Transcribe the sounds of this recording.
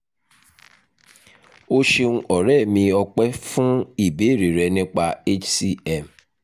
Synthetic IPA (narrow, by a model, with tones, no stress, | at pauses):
o˦ʃe˧nũ˦ʔɔ˨ɾɛ˦˨mĩ˧ɔ˧k͡pɛ˦fũ˦i˨be˨˦˨ɾi˨ɾɛ˧nĩ˦k͡pa˧e˦t͡ʃsi˦ɛ˦˨m